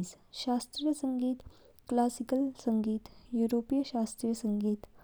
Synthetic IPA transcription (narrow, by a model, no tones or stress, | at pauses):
sɕast̪ɾijəsəŋɡiːt̪ | klasikəlsəŋɡiːt̪juɾopijəɕast̪ɾijəsəŋɡiːt̪